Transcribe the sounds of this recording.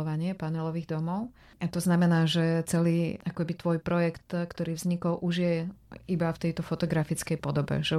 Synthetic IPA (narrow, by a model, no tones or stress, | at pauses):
ɔʋaɲɪɛpaɲɛlɔʋiːɣd̪ɔmɔʊ | at̪ɔznamɛnaːʒɛt͡sɛliːʔakɔkɛbit̪ʋɔjpɾɔjɛkt̪kt̪ɔɾiːvzɲikɔlʔuʒjɛʔibaft̪ɛjt̪ɔfɔt̪ɔɡɾafit͡skɛjpɔd̪ɔbɛ̰ʒɛ